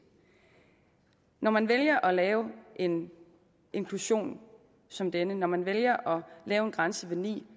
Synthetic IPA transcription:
nɒmænʋeljɐʔɒ̽lɛːʊʔe̝n | ʔe̝nŋkʰluɕo̝̰ːn | sɒ̽md̥enənɒmænʋeljɐʔɒ̽lɛːʊe̝nɡ̥ʁɑ̈nsəʋenḭː

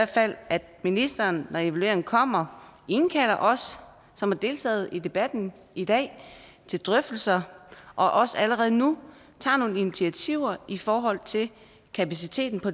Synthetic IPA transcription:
æɐd̥fæl̰ʔæd̥minisd̥ɐːnːɒe̝ʋælue̝ɐeŋn̩kʰɒ̽m̰ɐenkʰæl̰ɐʔɒ̽sː | ɒ̽mhæɐd̥e̝ːlt͡sʰɛ̰ːð̞̩ˠid̥e̝b̥æd̥n̩ | id̥ɛ̰ː | t͡sʰe̝ld̥ʁœfd̥l̩sɐʔɒ̽ʔɒ̽sæləʁɛːð̞̩ˠnu | t͡sʰɑ̰̈ːno̝ːn̩init͡sʰiæt͡sʰiʊ̰ɐifɒːɦɒ̽l̰t͡sʰe̝l | kʰæpæs̬it͡sʰe̝̰ːd̥n̩pʰɒ̽

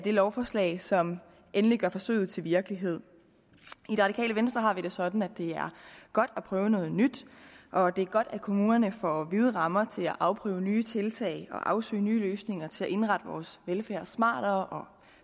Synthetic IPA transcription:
d̥e̝lɒʊfɒːslɛ̰ːɪsɒ̽m | ʔenəliɡ̥ɶɐfɒ̽sø̰ːð̞̩ˠt͡sʰe̝lʋiɐɡ̥əliɦe̝ð̞̰ˠ | id̥e̝ʁɑ̈ɾikʰɛ̰ːləʋensd̥ʁɐɦɑ̈ʋiɾ̥e̝sɒ̽d̥n̩æd̥e̝æɐɡ̥ɒ̽d̥æpʰʁœːʊənɔ̽ːð̞̩ˠnyd̥ʔɒ̽d̥e̝æɐɡ̥ɒ̽d̥ækʰo̝muːnɐnəfɒʋið̞ˠʁɑ̈mɐt͡sʰe̝læʔɑ̈ʊpʰʁœ̰ːʊnyːət͡sʰe̝lt͡sʰɛ̰ɪɒ̽ʔɑ̈ʊsø̰ːnyːløːsne̝ŋɐt͡sʰe̝læʔe̝nʁɑ̈d̥əʋɒ̰ːsʋelfæːɐ̰smɑ̰̈ːɾ̥ɐːʔɒ̽

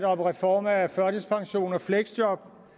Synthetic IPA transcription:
d̥ɒ̽mʁɛfɒːmææfɶɐd̥əspʰɑ̈ŋɕo̝̰ːnɒfleɡ̥sd̥jɒb̥

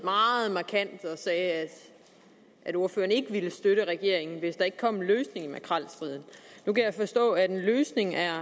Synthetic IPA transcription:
mɑ̈ːð̩ˠmɑ̈kʰæn̰d̥ɒ̽sɛːæd̥ | ʔæɾo̝ɐføːɐne̝ɡ̥əʋiləsd̥øɾ̥əʁɛɡ̥e̝ɐ̰e̝ŋn̩ʋe̝sd̥ɑ̈e̝ɡ̥̚kʰɒ̽m̰nløːsne̝ŋimækʰʁɑl̰sd̥ʁiðˠn̩nukʰæjɑ̈fɒ̽sd̥ɔ̰̽ːæd̥enløːsne̝ŋæɐ

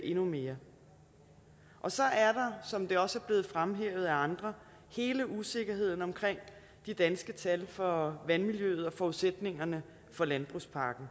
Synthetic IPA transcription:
ʔe̝nume̝ːɐ | ʔɒ̽sɒ̽ʔæɐɾ̥ɑ̈sɒ̽md̥e̝ɒ̽səæɐb̥le̝ːð̩ˠfʁamɦeːʊð̞̩ˠæɑ̈nd̥ʁɐ | he̝ːləʔuse̝ɡ̥ɐɦe̝ð̞̰ˠn̩ɒ̽mkʰʁeŋ̰ | d̥id̥ænsɡ̥ət͡sʰælfɒ̽ʋænmiljøːð̞̩ˠɒ̽fɒuðˠsed̥ne̝ŋɐnə | fɒ̽lænb̥ʁṵspʰɑ̈ːɡ̥n̩

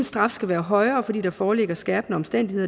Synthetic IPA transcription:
nsd̥ʁɑ̈fsɡ̥æʋæːɐɦɒ̽ɪɐːfɒ̽d̥ḭːd̥ɑ̈fɒːleɡ̥ɐsɡ̥ɛɐb̥nəɒ̽msd̥en̰d̥ihḛ

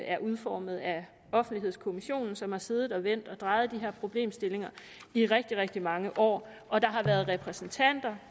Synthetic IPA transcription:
æɐʔuð̞ˠfɒːməð̩ˠæ | ɒ̽fn̩d̥liɦe̝ð̞̰ˠskʰo̝miɕo̝̰ːnn̩sɒ̽mhɑ̈se̝ːð̩ˠɒ̽ʋen̰d̥ɒ̽d̥ʁɑ̈ɪð̞̩ˠd̥iɦe̝ɐ̰pʰʁo̝b̥le̝̰ːmsd̥e̝le̝ŋɐ | iʁɛɡ̥̚d̥iʁɛɡ̥̚d̥imɑ̈ŋəʔɒ̰ː | ɒ̽d̥ɑ̈ɦɑ̈ʋæɐð̞ˠʁɛpʰʁɛsn̩t͡sʰæn̰d̥ɐ

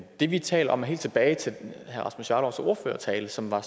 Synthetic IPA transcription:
d̥e̝ʋit͡sʰɛ̰ːlɐɒ̽mɦe̝ːld̥t͡sʰeb̥ɛːɪt͡sʰe̝hæʁɑ̈smusjɑːɾ̥ɒʊso̝ɐfø̰ːɐt͡sʰɛːləsɒ̽mʋɑ̈

